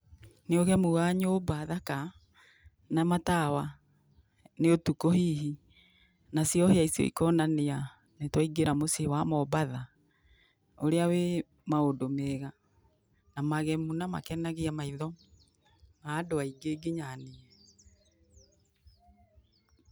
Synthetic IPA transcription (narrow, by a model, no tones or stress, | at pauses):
neoɣɛmuɣaɲoːbaðaka | namatawa | neotukohiːɦi | nasijɔheaisio̰ḭkɔnanea | netwaiɡeɾamosewamɔbaða | oɾeawe | maodomeɣa | namaɣɛmunama̰kɛnaɣeamaiðɔ | maːdoaiɡeɡeɲaneɛ